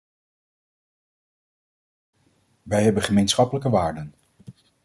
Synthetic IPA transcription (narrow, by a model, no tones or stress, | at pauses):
ʋɛjɦɛbənχəmejnsχɑpələkəʋaːɹdən